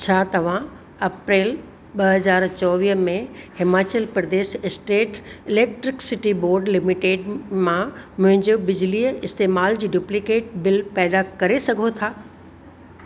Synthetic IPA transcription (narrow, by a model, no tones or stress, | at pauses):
t͡ɕʰaːt̪ɐʋ̤ã | ɐpɾeːl | ɓɐɦɐzaːɾt͡ɕɔːʋiːmẽhɪmaːt͡ɕəlpɾɐd̪eːʃɪsʈeːʈɪleːk̚ʈɾɪksɪʈiboːɾɖlɪmɪʈeːɖmãmʊ̃ɦɪ̃ɲd͡ʑobɪd͡ʑɪliːəɪst̪eːmaːld͡ʑiːɖuplɪkeːʈ̚bɪlpɛːd̪akɐɾesɐɡʱot̪ʰaː